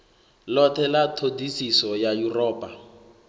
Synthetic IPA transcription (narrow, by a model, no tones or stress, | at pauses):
lɔtʰɛlatʰodisisɔjajurɔːpʼa